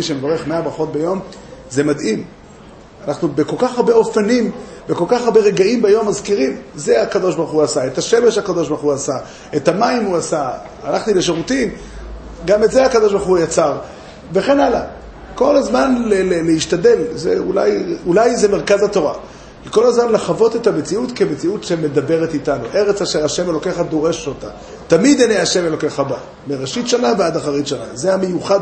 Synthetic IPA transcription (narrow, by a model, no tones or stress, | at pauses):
iʃemevaʁe̞χme̞abʁaχo̞t̪̚bejo̞m | ze̞madʔim | anaχnube̞ko̞lkaχaʁbe̞o̞fanimbeko̞lkaχaʁbe̞ʁe̞ɡaimbajo̞mːazkiʁimze̞akad̪o̞ʃbaʁχuasaetaʃe̞me̞ʃakad̪o̞ʃbaʁχuasa | et̪amaimuasa | alaχtile̞ʃeʁutin | ɡame̞tzeakad̪o̞ʃbaʁχujat͡saʁ | ve̞χe̞nala | ko̞lazmanlelelehiʃtade̞lzeula̰julajzeme̞ʁkazato̞ʁa | liko̞lazmanlaχavo̞tetamet͡siutke̞me̞t͡siutʃe̞me̞d̪abe̞ʁetitanoʔe̞ʁet͡saʃeʁaʃe̞me̞lo̞ke̞χad̪o̞ʁe̞ʃota | tamid̪eneaʃe̞melo̞ke̞χaba | meʁeʃitʃanaveadaχaʁitʃana̰zehame̞juχad